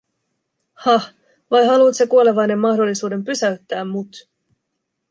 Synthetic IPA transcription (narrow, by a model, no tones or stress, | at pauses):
hɑh | ʋɑjɦɑluːt̪sekuo̞le̞ʋɑjne̞mːɑhdo̞lːisuːde̞mpysæɥt̪ːæːmːut̪